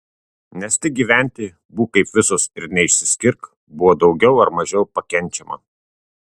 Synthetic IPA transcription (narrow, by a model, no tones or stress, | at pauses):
nʲɛst̪ʲɪɡʲiːʋʲæˑnʲt̪ʲiː | buːkɐɪpʋʲɪsoːsɪɾnʲɛɪʃʲsʲɪ̥sʲkʲɪɾk | bʊʋoːd̪ɒʊɡʲɛʊɐɾmɐʒʲɛʊpɐkʲɛnʲˑt͡ʃʲɛmɐ̰